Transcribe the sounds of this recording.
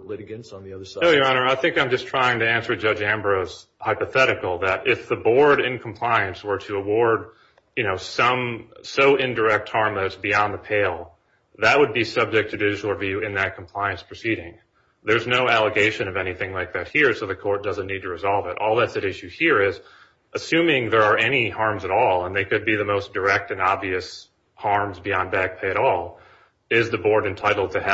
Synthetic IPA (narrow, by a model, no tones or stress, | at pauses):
leɪɡɛ̃nsn̩ðiʌðəoʊjə˞ɑnə˞aɪθɪ̃ŋkãɪ̃md͡ʒʌstʰɹ̥aɪɪ̃ŋtɨæ̃nsə˞d͡ʒʌd͡ʒæ̃mbɹoʊz̥ | haɪpɨθɛɾɨkl̩ˠðɨɾʔɪfðəbɔɹɾɪ̃nkʰm̩pʰl̥aɪɨ̃nswə˞ɾɨəwɔɹd̚ | jɨñoʊsʌ̃msoʊʔɪ̃ndə˞ɛk̚t̚hɑɹmlɨsb̥iɑ̃nðəpʰeɪlˠ | ðɨʔ̚wəd̚bisʌb̚d͡ʒɨk̚tʰɨdʒl̩ˠvjʉɨ̃nðɨt̚kʰm̩pʰl̥aɪɨ̃nspʰɹ̥ɨsiɾɪ̃ŋ | ðə˞znoʊælˠəɡeɪʃɨ̃nʌvɛñiθɪ̃ŋlaɪk̚ðɨt̚hiɹsoʊðɨkʰɔɹt̚d̥ʌzɨ̃n̩ːid̚tʰɨɹɨzɑlˠvɨɾʔɔlˠðætsɨɾɪʃʉhiɹɪz | ʔɨsʉ̃mɪ̃ŋðə˞ə˞ɛñihɑɹmzɨɾɔlˠə̃nðeɪkɨd̚biðɨmoʊsd̥ə˞ɛk̚tɨ̃nɑbviɨs | hɑɹmzbiɑ̃nbæɡ̥̚pʰeɪɨɾɔlˠ | ɪzðɨbɔɹɾɨ̃ntʰaɪɾl̩ˠd̚tʰɨ